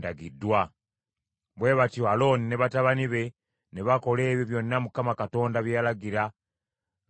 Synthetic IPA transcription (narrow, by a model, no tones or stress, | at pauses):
daɡidːwa | βwe̞βatoalo̞ːnine̞βataβaniβe̞ | neβako̞le̞ːβjoβjo̞nːamukamakato̞ːndaβjalaɡiɾa